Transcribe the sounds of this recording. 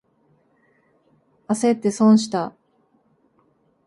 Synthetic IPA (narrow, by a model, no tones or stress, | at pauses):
ase̞t̪ːe̞sõɰ̃ɕi̥t̪a